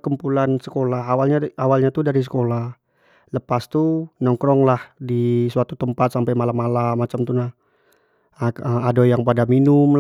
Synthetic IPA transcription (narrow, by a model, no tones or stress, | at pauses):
kəmpulansəkolaɦawalɲaawalɲat̪udaɾis̬ə̥kolah | ləpast̪unɔŋkɾɔŋlahdisuat̪ut̪əmpat̪̚sampajmalamalamat͡ʃamt̪unah | əmadojaŋpadaminʊm